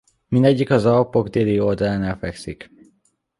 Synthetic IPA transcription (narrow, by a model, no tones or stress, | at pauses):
mind̪ɛɟːikɒzɒpoɡd̪eːlio̞ld̪ɒlaːnɛlfɛksik